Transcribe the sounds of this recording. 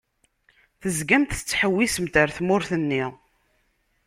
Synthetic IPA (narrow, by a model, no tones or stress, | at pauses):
θəzɡæmt̪θə̥t͡sːħəwːisəmt̪əɾθmʊɾθənːi